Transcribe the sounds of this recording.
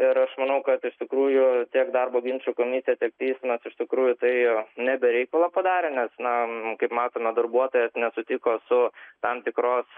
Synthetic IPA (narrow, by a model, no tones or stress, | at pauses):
ɪɾɐʃmɐnɐʊkɐt̪ɪʃt̪ʲɪkɾuːjʊt̪ʲiɛkd̪ɐrboːɡʲɪnʲt͡ʃʲukoːmʲɪsʲɪjɛt̪ʲiɛk̚t̪ʲɛɪsʲmɐsɪʃt̪ʲɪkɾuːjʊt̪ɐɪnʲɛbʲɛɾʲɛɪkɐlˠɐpɐd̪ɑːɾʲɛnʲɛsnɐkɐɪpmɑːt̪oːmʲɛd̪ɐrbuɔt̪oːjɛsnʲɛsʊt̪ʲɪkoːsʊt̪ɐmt̪ʲɪkɾoːs